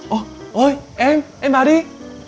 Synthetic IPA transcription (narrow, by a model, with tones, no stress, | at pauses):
ʔo˧ʔo˧jʔɛ˧mʔɛ˧mɓaː˨˩˦ɗi˧